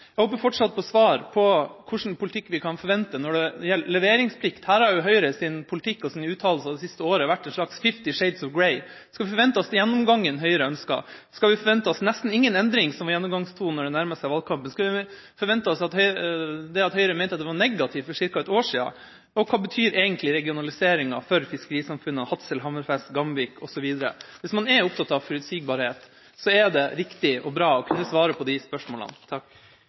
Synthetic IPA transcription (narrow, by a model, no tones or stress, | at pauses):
æɪhoːpəfɔʈʂɑt̪̚pʰɔsʋɑːɾpʰɔkʰʊʂɳ̩pʰʊlɪt̪ʰɪkːʋɪkʰɑnfɔɾʋɛnt̪ənɔɖɛjɛlːlɛʋeːɾɪŋspʰlɪkt̪hæːɾhɑɾjʊɦœʏɾəsɪnpʰʊlt̪ʰɪkːɔsɪnʉːt̪ʰɑːllsɑd̪ɛsɪst̪əoːɾəʋæʈːɛnʂɭɑksfɪft̪ɪʂeɪd̪sɔʋɡɹɛɪ | skɑlʋɪfɔɾʋɛnt̪əɔsd̪ɛjɛnːɔmɡɑŋːənɦœʏəɾəœnskɑ̰ | skɑʋɪfɔɾʋɛnt̪əɔsnɛst̪n̩ɪŋːənɛnd̪ɾɪŋsɔmʋɑɾjɛnːɔmɡɑŋst̪ʰuːnːɔɖɛnæɾməsɛɪʋɑl̚ˠkʰɑmpənskɑlʋɪ | fɔɾʋɛnt̪əɔsɑt̪hœʏd̪ɛɑt̪hœʏəɾəmɛɪnt̪ɑt̪d̪ɛʋɑɳɛɡɑt̪ʰɪʋfɔʂɪɾkɑɛt̪oːʂiːɑ̰ | ɔkʰɑːbət̪ʰyːɾɛːɡənt̪lɪɾɛɡɪʊnɑlɪseːɾɪŋɑfɔɾfɪskəɾiːsɑmfʉnːəhɑt̪səlɦɑməɾfɛst̪ɡɑmʋiːkʰɔsɔʋiːd̪əɾə̰ʋɪsmɑnɛɾʊp̚t̪ʰɑt̪ɑʋfɔɾʉd̪siːɡ̚bɑɾheːt̪ | sɔɛɖ̪ɛɾɪkt̪ɪʔɔbɾɑːɔkʰʉnːəsʋɑːɾəpʰɔd̪ɪspœʂmoːlɑ̰nt̪ʰɑk